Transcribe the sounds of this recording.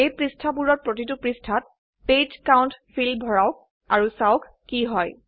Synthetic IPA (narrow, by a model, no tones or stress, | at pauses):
ejpɹistʰabuɹɔɹ̚pɹotitupɹistʰat̚ | pejtkaʊntpʰilbʱɔɹaʊk̚ | aɹusaʊkːiɦɔj